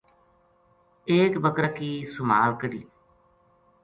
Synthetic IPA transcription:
eːkbəkɾəkiːsʊma̰ːlkəɽḭː

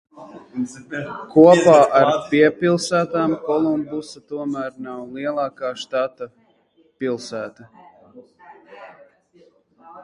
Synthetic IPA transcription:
kuɔpaːʔaɾpiɛpilˠsæːt̪aːmkɔlˠumbusat̪uɔmæːɾnawlˠiɛlˠaːkaːʃt̪at̪a | pilˠsæːt̪ɐ

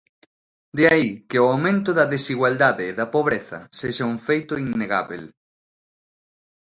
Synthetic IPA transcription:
d̪eaikɪoawmẽnt̪ʊðɐðesiɣwald̪aðeːðɐpoβɾeθɐ̰seʃauŋfejt̪ʊinːeɣa̰βḛl

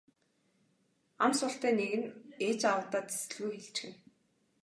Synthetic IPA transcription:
amsʊɬt̪æːneɣɘ̆net͡ɕawʊːt̪aːt̪e̥sɘ̆ɮɣujxeɮt͡ɕxɘ̆n

